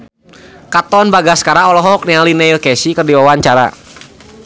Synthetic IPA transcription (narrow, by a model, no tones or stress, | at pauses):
kat̪ɔnbaɡaskaɾaɔlɔɦɔɦɔk̚nialinɛilkɛsikərdiwawaɲt͡ʃaɾa̰